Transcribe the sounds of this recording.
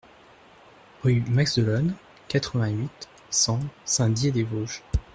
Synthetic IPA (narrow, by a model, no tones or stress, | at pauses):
ʁymaɡzd̪əlɔn | kat̪χəvɛ̃ɥit̪ | sɑ̃sɛ̃d̪jed̪evoʒ